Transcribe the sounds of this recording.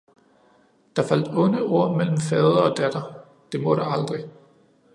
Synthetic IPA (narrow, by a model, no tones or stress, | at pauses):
d̥ɑ̈fæl̰d̥ɔ̽nəo̝ɐ̰mel̰m̩fɛːð̞ˠɐɒ̽d̥æd̥ɐ | d̥e̝mɔ̽ɾ̥ɑɑ̈ld̥ʁi